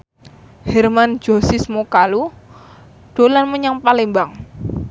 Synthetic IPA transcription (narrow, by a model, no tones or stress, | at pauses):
hɛrman̥d͡ʒ̥o̤sismokalu | ɖ̥o̤lanməɲaŋpalimbaŋ